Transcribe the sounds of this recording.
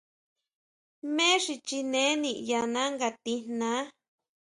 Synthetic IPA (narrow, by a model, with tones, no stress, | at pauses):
mẽ˦ʂi˧t͡ʃi˧nẽ˨˦nĩ˧˨ja˧nã˦ŋɡa˧t̪i˧nnã˦